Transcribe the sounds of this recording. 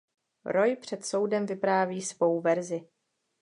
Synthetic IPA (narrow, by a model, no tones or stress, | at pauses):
ɾo̞jpr̝̥ɛt̪so̞wdɛmvɪpɾaːviːsvo̞wvɛɾzɪ